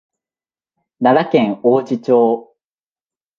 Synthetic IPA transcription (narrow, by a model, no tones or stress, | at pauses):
naɾakẽ̞ŋoːd͡ʑit͡ɕo̞ː